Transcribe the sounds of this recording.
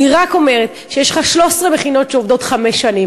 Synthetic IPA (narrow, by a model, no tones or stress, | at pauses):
iʁako̞me̞ʁet̪ | ʃejeʃlχaʃlo̞sʁebeχino̞tʃeovd̪o̞tχameʃːanim